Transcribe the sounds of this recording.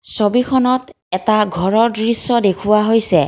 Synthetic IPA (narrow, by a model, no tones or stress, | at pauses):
sobikʰɔnɔt | ɛtaɡʱɔɹɔɹdɹisːɔdekʰuwaɦojsɛ